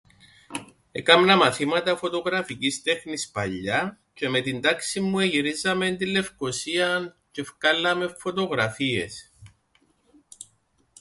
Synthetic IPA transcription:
ekɐmnɐmɐθimɐt̪ɐfo̞t̪o̞ɣɾɐficist̪e̞xnispɐʎːɐ | ce̞me̞t̪ind̪ɐksimːueʝiɾizɐmend̪ilːe̞fko̞siɐnce̞fkɐlːɐme̞fːo̞t̪o̞ɣɾɐfie̞̰s

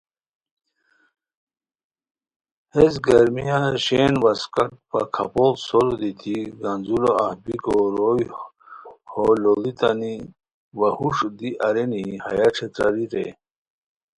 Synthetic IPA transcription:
hesɡɐɾmijaɕenʋaskaʈ̚pa̰kʰapolsoɾod̪it̪ʰiɡanzuloahbikoɾoj | hololit̪ani | ʋahuʂd̪iʔaɾeniha̰jaʈ͡ʂʰet̪ɾaɾiɾḛ

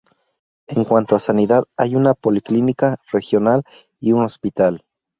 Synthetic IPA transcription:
e̞ŋkwant̪oasaniðaðajunapo̞liklinikare̞xjonal | iuno̞spit̪al

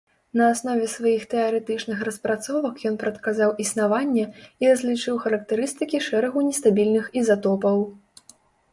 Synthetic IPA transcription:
nɐːsnɔvʲɛsvajixt̪ɛɐɾɛt̪ɨt͡ʂnɨxɾɐspɾat̪sɔvɐkjɔnpɾɐt̪kazawʔisnavanʲːɛirɐzʲlʲit͡ʂɨwxɐɾɐk̚t̪ɛɾɨst̪ɨkʲiʂɛɾɐɣunʲɛst̪abʲilʲnɨxizat̪ɔpɐw

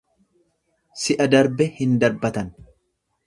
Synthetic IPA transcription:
sɪʔɐd̪ɐɾbɛhɪnd̪ɐɾbɐt̪ɐn

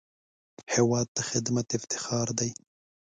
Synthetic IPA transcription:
hewɑːd̪̚t̪axɪd̪mat̪ɪft̪ɪ̥xɑːɾd̪aj

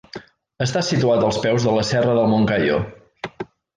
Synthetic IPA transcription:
əst̪asit̪uat̪əlˠspɛwzðələsɛrəðəlˠmoŋkajo̰

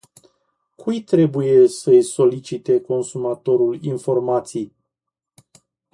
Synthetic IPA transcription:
kʰujt̪ɾe̞buje̞səjso̞lit͡ʃit̪e̞ko̞nsumat̪o̞ɾulinfo̞rmat̪sij

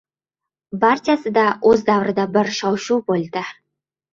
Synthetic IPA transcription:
bart̪ʰijasɨd̪aʔozd̪awɾɨd̪abɪɾʃɑwʃuwbold̪ɪ

